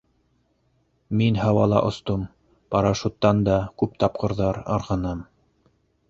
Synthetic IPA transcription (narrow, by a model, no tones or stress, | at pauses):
minhɑwɑlˠɑ̰ʔŏst̪om | pɑɾɑʃut̪ːɑnd̪ɑkʉp̚t̪ɑp̚qɤ̆ɾðɑɾɑ̰ɾʁɑ̆nɤm